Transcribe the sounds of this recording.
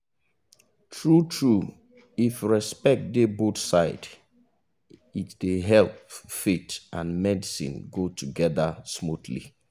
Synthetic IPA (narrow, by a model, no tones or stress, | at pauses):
tʰɹutʰɹu | ifɹɛspɛk̚tdeboθsaɪd | itdeɦɛlˠpfetãnmɛdisḭ̃nɡotʰuɡɛðəsmutlḭ